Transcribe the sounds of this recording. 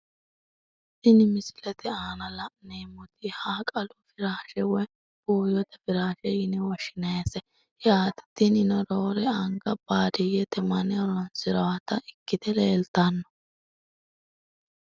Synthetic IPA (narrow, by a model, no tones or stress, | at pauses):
ɪnɪmɪsɪ̥lɛt̪ɪaːnɐlɐneːmːɔt̪ɪhaːkʼɐlʊfɪɾaːʃɛwɛ | b̥oːjɔt̪ɛfɪɾaːʃɛɪnɪwɔʃɪnɐjɛsɛ | hɛaːt̪ɪ̥t̪ːɪnɪnɔɾoːɾɛɐŋɡɐb̥aːd̪ɪjɛt̪ɛmɐnɛɔɾɔnsɪɾɔwɐt̪ɐʔɪkːɪd̪ɛleːlt̪ɐnːɔ̥